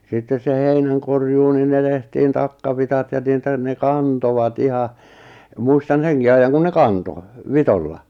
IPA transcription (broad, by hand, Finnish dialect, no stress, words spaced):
sitːes se heinæn̞korjuː nin ne tehtiːn tɑkːɑʋitɑt jɑ niːtæ ne kɑntoʋɑt ihɑ muistɑn̞ seŋki ɑijːɑŋ kun ne kɑnto ʋitolːɑ